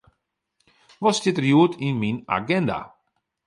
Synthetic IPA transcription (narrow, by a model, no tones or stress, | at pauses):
vɔst̪ɪt̪ɾiuːt̪ʰinmina̰ɡɛnd̪a̰